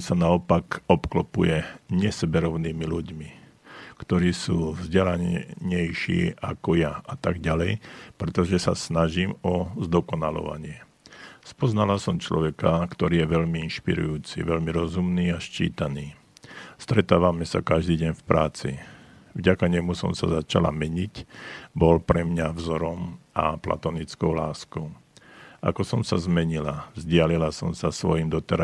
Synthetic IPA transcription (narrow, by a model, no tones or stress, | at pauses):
sanaɔpakɔpklɔpujɛɲɛsɛbɛɾɔʊniːmiluɟmi | kt̪ɔɾiːsuːvzɟɛlaɲɛjʃḭːakɔjaat̪aɡɟalɛjpɾɛt̪ɔʒɛsa̰snaʒiːmɔzd̪ɔkɔnalɔ̰ʋa̰ɲɪɛ | spɔznalasɔmt͡ʃlɔ̰ʋɛkakt̪ɔɾiːjɛʋɛʎmiinʃpḭɾṵjuːt͡sḭʋɛʎmiɾɔzumniːaʃt͡ʃḭːt̪aniː | st̪ɾɛt̪aːʋamɛsakaʒd̪iːɟɛɲfpɾaːt͡sḭ | vɟakaɲɛmusɔ̰msa̰zat͡ʃala̰mɛɲicbɔlpɾɛmɲavzɔɾɔmʔapla̰t̪ɔnit͡skɔʊlaːskɔʊʔa̰kɔsɔmsazmɛɲilavzɟɪalilasɔmsasʋɔjimd̪ɔt̪ɛɾa